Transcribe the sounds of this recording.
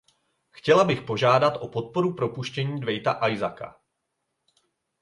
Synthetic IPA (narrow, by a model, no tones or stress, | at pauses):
xcɛlabɪxpo̞ʒaːdat̪ʔo̞po̞t̪̚po̞ɾupɾo̞puʃcɛɲiːdvɛjt̪aʔajzaka̰